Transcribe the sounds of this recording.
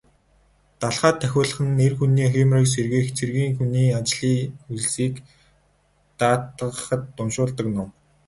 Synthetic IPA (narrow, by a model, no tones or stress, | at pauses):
t̪aɮχaːt̪ʰːæxʲʊːɮə̆χə̆nerxuniːximriːks̬erɣĕːxt͡sʰerɣiːŋxuniːat͡ɕɮiːuɮsiːk | t̪aːt̪ə̆χə̆t̪ːʊnʃʊːɮt̪ə̆knʊw